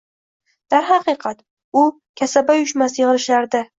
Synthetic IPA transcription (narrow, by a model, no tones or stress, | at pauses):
d̪̥aɾɦɑqɨqʰɑt̪ | ʊ | kʲʰasabajʊʃmasjɪʁɨlɪʃaɾd̪ɪ